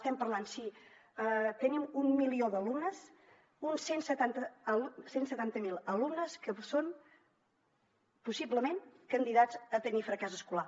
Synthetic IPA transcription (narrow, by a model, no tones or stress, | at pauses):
st̪ɛmpəɾlansiət̪ənimummilioðəlumnəs | unsensət̪ant̪əəsensət̪ant̪əmilˠəlumnəskəson | pusibləmenkənd̪iðazət̪ənifɾəkɛzəskula